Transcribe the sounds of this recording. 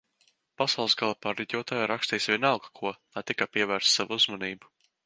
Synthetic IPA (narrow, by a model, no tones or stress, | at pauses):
pasɑwlˠsɡalˠapaɾːɛɟ̪ʲuɔt̪ajaɾakst̪iːjsvʲiɛnalɡakʰuɔlˠajt̪ikapiɛvæɾssaʋuuzmɔniːbu̥